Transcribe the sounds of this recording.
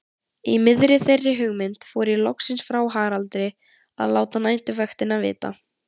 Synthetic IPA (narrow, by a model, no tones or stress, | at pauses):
imɪðɾɪθejrːɪɦʏɣmɪnt̪fɔːɾɪlɔksɪnsfɾaːwɦaːɾalt̪ɾɪ | a̰ðlaːwt̪anajnt̪ʏvœxt̪ɪnavɪ̰ːt̪a̰